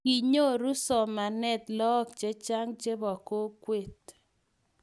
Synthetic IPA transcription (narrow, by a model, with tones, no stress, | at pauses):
i˨ɲo˦ɾu˦sɔ˨ma˨nɛ˦˨t̪lɔ˦k̚t͡ʃe˦t͡ʃa˦ŋt͡ʃe˦bɔ˨ko˦kwe˦˨t̪